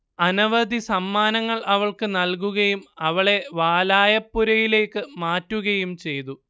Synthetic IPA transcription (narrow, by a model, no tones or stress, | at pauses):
ɐnɐʋɐd̪ʱisɐmːaːnɐŋːɐɭʔɐʋɐɭkɨnɐlk̬uɣɐjumɐʋɐɭe̞ʋaːlaːjɐpːuɾɐjile̞ːkːɨmaːtːuɣɐjumt͡ɕe̞jt̪u